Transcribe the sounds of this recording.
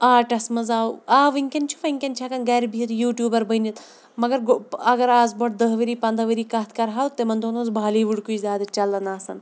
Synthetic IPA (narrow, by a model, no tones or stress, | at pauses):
aːʈɐsmɐzaːuaːʋiŋʲkʲɐnt͡ʃʰuʋɐŋʲkʲɐnt͡ʃʰakɐnɡɐɾbʱiɾjuːʈʲjuːbɐɾbɐnʲit̪ | mɐɡɐɾɡɐɡɐɾaːzbɐʈ̚d̪ɐɦʋɐɾiːpɐnd̪ɐʋɐɾiːkɐt̪ʰkɐɾɦaːt̪ːemɐnd̪onozbʱaːliːʋuɽkuizʲaːd̪ɐt͡ʃɐlːɐnaːsɐn